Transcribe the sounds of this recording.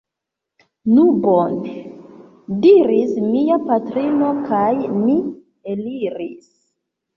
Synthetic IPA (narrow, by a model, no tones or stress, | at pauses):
nubone | diɾismiapatɾino̞kajmi | eliɾis